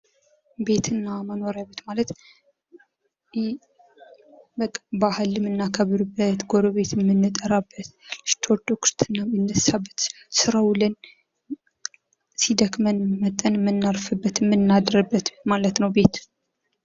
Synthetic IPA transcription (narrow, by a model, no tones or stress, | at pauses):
be̞t̪ʰɨnːaməno̞ɾjabət̪malət̪ | bəkʼːbahəlɨmɨnːakʰəβɾɨbːət̪ɡoɾoβe̞t̪jɛmːɨnːɨt̪ʼəɾabːət̪st̪ʰoɾd̪okʰɨ̥st̪ʰɨnːaɛnːəsabːət̪ | sɨɾawlɨn | sid̪əkmənmət̪ʼːənmːɨnːaɾfɨbːət̪mːɨnːad̪ɾəbːət̪malət̪nəwbe̞t̪